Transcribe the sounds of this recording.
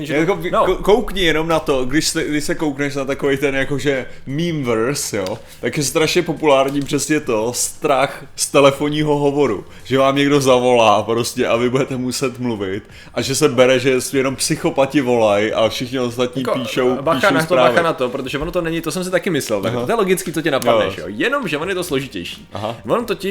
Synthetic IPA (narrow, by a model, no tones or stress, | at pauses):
akonkokowkɲɪjɛno̞mnat̪o̞ɡdɪʃst̪ɛɡdɪʃsɛko̞wknɛʃnat̪akovejt̪ɛnjakoʒɛmiːmvɛɾsjoː | t̪akjɛst̪ɾaʃɲɛpo̞pulaːɾɲiːpr̥ɛsɲɛt̪o̞st̪ɾax | st̪ɛlɛfoɲiːɦo̞ɦovo̞ɾṵ | ʒ̥ɛvaːmɲɛɡdo̞zavo̞laːpɾo̞scɛʔavɪbudɛt̪ɛmusɛt̪mluvɪt̪ | ʔaʒɛsɛbɛɾɛʒɛsjɛno̞mpsɪxo̞pacɪvo̞lajʔafʃɪxɲɪost̪at̪ɲiːpiːʃʃowbaiːʃnat̪oɾaaːvanat̪opɾot̪̬oʒɛvonot̪onɛɲɪt̪osɛms̬ɪt̪akɪmɪslɛlt̪a̰k̪ojɛloɡɪt͡skiːt̪t͡socɪnapanɛ̰ʃjo̰jɛnomʒɛvonjɛt̪osloʒɪcɛjʃi̥̰ːaɦavont̪ocɪ